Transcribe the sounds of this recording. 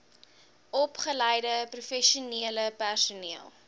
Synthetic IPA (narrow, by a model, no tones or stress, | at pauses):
ɔpχələjdəprufɛʃuniələpærsuniəlˠ